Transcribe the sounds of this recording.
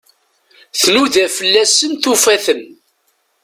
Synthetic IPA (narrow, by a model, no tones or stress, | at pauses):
θnuðæfəlːæsənθufæθən